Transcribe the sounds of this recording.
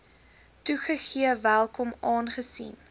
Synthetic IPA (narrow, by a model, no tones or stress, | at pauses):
tuχəχiəvælˠkɔmɑːnχəsḭn